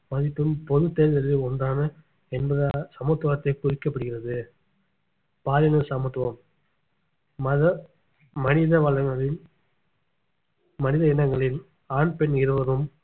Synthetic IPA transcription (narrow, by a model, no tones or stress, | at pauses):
mɐðɪpːɯmpɔðɯt̪ːeːɾðɐɾʋɯɔndaːnɐ | ɛnbɐðɐsɐmɔt̪ːʋɐːɐt̪ːɐɪkʊɾɪkːɐpːɐɽɯɣɪrɐðɯ | paːlɪnɐsɐmɐt̪ːʋɐm | ɐðɐ | mɐnɪðɐʋɐɭːɐŋɡɐɭɪl | mɐnɪðɐɪnɐŋɡɐɭɪl | aːɳpɛnɪɾɯʋɐðɯm